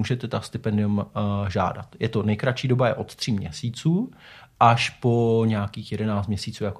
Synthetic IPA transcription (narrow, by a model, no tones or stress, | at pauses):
uːʒɛt̪ɛt̪ast̪ɪpɛndɪumʒa̰ːda̰t̪jɛt̪o̞nɛjkɾat͡ʃiːdobajɛʔo̞t̪t̪r̝̥iːmɲɛ̰siːt͡suː | ʔaʃpo̞ɲaːkiːxjɛdɛnaːt͡st̪mɲɛsiːt͡suːjako